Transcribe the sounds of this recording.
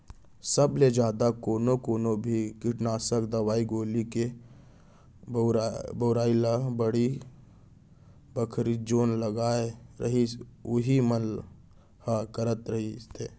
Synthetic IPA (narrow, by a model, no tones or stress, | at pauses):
səbled͡ʒjaːd̪akoːnokoːnobʱikɪʈnaːsəkd̪ɐwaːiɡoːlike | bəːɾaːilabəɽi | bəkʰɾid͡ʒoːnlɐɡaːeɾɐ̰ɦiʊɦimən | hakəɾət̪ɾɐɦit̪ʰeː